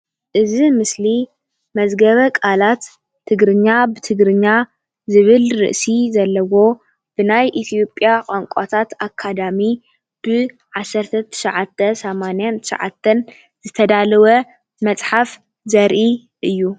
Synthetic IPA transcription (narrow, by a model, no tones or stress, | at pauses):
ʔɨzimɨsli | mɐzɡɐβɐkʼalat̪ʰː | ɨɡɾɨɲːabɨt̪ʰɨɡɾɨɲːa | zɨβɨlɾɨ̰ʔsizɐlːɐwo̞ | b̥ɨnajʔit̪ʰijo̞pʼjakʼoŋkʼat̪ʰat̪akʰːad̪ami | b̥ɨ | ʕasːɐɾt̪ʰɐt̪ʰɨ̥ʃɐʕat̪ʰːɐsɐmanjant̪ʰɨ̥ʃɐ̰ʕa̰t̪ʰːɐn | zɨt̪ʰɐd̪alɐwɐ | mɐt͡sʼħaf | zɐɾʔi | ʔɨjːu